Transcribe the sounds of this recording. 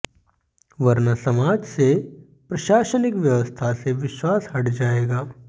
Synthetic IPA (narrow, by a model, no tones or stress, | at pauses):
ʋɐɾnasɐmaːd͡ʒse | pɾɐʃaːʃənɪkʋjɐʋəst̪ʰaseʋɪʃwaːshɐʈd͡ʒaːeːɡaː